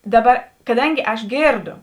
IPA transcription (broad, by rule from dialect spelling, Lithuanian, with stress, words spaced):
ˈdɑːˌbɐ kɐˈdɐŋʲɡʲɪ ˈɐʃ ˈɡʲeːrˌdoː